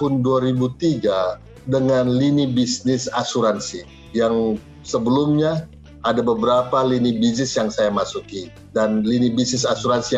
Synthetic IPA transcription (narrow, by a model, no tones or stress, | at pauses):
ʊnduaɾibut̪iɡa | dəŋanlinibisnɪsasuɾansi | jaŋ | səbəlumɲa | adabəbəɾapalinibis̬nɪsjaŋsajamasuki | danlinibisnɪsasuɾansi